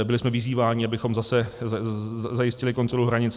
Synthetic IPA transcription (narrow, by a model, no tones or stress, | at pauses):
bɪlɪsmɛvɪziːvaːɲɪabɪxo̞mzasɛ | zajɪscɪlɪko̞nt̪ɾoluɦɾaɲɪt͡s